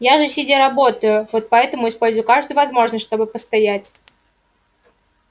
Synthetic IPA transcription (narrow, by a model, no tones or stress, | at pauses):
jaʐɨsʲɪdʲeɾɐbo̞t̪əjʊvo̞t̪̚pɐɛt̪əmʊɪspo̞lʲzʊjʊkaʐd̪ʊjʊvɐzmo̞ʐnəsʲʂt̪o̞bɨpəst̪ɐjætʲ